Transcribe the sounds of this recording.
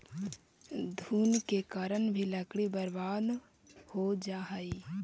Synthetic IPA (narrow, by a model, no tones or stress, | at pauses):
d̪ʱuːnkekaːɾəɳbʱiləkɽibəɾbaːd̪ | hod͡ʒaːɦəi